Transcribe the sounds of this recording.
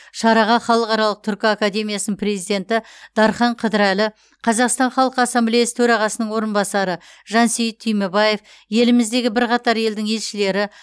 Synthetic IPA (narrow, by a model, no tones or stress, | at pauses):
ʃɑɾɑʁɑχɑlˠəqɑɾɑlˠəq̚t̪ʰʏɾkʲɪakad̪ʲe̞mʲijasənəɴpɾe̞zijd̪e̞nt̪ɪd̪̥ɑɾχɑɴqʰəd̪əɾælɪ | qʰɑzɑqst̪ɑɴχɑlˠqəɑsːɑmblʲejasə̥t̪ʰɵɾɑʁɑsənəɴwo̞ɾənbɑsɑɾə | ʒɑnsejɪt̪ʰːʏjmebɑje̞f | je̞lɪmɪzd̪e̞ɡʲɪbɪɾqɑt̪ɑɾje̞ld̪ɪŋe̞lʃɪle̞ɾɪ